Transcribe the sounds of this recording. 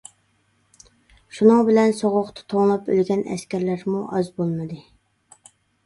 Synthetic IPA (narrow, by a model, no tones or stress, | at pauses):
ʃunɨŋbɪlɛnsoʁʊqt̪ʰɨ̥t̪ʰoŋlˠɑpø̰lɡʲɛnɛ̰skʲæɾlæɾmuʔɑzbolˠmɨd̪ɨ